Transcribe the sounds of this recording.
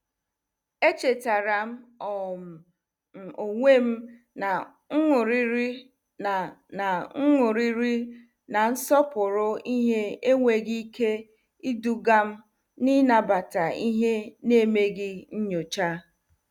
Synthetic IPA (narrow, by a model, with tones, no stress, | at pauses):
e˦t͡ʃe˨ta˨ɾa˨m̩˦ɔ˨m̩˨˦ | o˨ŋʷe˦m̩˦ | na˨ | ŋ̩˦ŋʊ˨ɾi˦ɾi˦˨ | na˨ŋ̩˦ŋʊ˨ɾi˦ɾi˦ | na˨n̩˦sɔ˦pʊ˨ɾʊ˦i˦ɦe˦e˦ŋʷe˨ɡi˦kʰe˦ | i˦du˨ɡa˦m̩˦ | ni˦na˨ba˨ta˨i˦ɦe˦ne˦˨me˦ɡɪ˦ɲ̩˦ɲo˨t͡ʃa˦